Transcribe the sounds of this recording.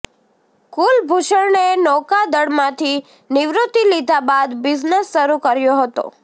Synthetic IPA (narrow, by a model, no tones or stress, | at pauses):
kulbʱuʃəɭnenɔkad̪əɽmãt̪ʰi | nɪʋɾut̪ːilid̪ʱabad̪bɪznesːəɾukəɾjoɦət̪o̰